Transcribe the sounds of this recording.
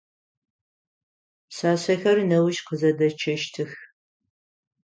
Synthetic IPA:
saːɕɐxɐrnɐwʊʃqəzɐdɐt͡ʃʰɐʃtʰɨx

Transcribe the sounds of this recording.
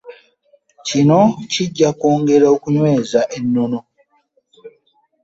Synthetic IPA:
cino̞ciɟːakoːŋɡe̞ɾaokuɲwe̞ːzaʔe̞nːo̞no̞

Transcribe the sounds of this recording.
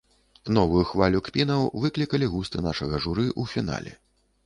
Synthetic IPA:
nɔvujuxvalʲukpʲinɐwvɨklʲikɐlʲiɣust̪ɨnaʂɐɣɐʐuɾɨʔufʲina̰lʲɛ̰

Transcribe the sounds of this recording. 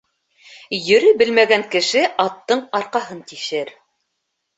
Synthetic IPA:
jɵ̆ɾɵbɘlmæɡæŋkɘ̆ʃɘʔɑt̪ːɤɴɑɾqɑɦɤnt̪iʃɘɾ

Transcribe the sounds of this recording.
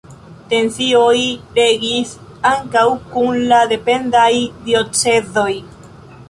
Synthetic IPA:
te̞nsio̞jɾe̞ɡis | aŋkawkunlade̞pe̞ndajdio̞t͡sezo̞j

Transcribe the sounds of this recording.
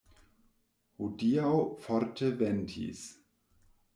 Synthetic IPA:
hudiaʊfɔɾtʰəvɛntʰḭs

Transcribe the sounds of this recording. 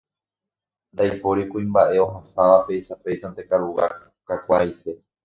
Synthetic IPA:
nd̪ajpo̞ɾikũĩmbaʔe̞oɦasaʋape̞jʃape̞jʃant̪e̞kaɾuɣa̰ | kakʷait̪e̞

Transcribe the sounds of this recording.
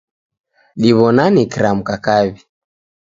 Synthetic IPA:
ɗiβɔnanikɾam̩kakaβi

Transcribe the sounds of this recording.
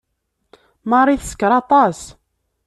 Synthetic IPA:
mɑrˤiθsə̥kːɾˤɑt̪ˤɑs

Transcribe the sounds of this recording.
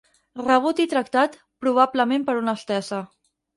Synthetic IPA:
rəβ̞ut̪it̪ɾək̚t̪at̪ | pɾuβ̞abləmempəɾunəst̪ɛsə

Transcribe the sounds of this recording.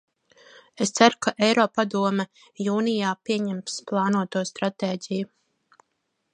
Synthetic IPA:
est̪saɾkaʔɛjɾɔːpad̪uɔmɛ | juːnijaːpiɛɲɛmsplˠɑːnuɔt̪uɔst̪ɾat̪eːɟʲiju

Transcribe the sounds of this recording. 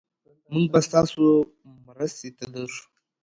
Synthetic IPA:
muŋɡ̚bast̪ɑːso | mɾast̪et̪ad̪aɾu

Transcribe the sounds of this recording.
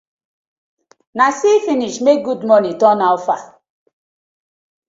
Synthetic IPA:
nasifiniʃmek̚ɡudmɔnitɔnaɔfa

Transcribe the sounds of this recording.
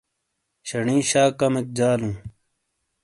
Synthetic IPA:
ɕɐɳĩːɕaːkɐmek̚d͡ʑaːlũː

